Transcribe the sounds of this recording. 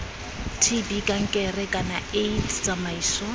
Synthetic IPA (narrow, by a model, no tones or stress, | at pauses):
tʰibikʼaŋ̩kʼɛrɛkʼanaejtʰt͡sʼamaiːsɔ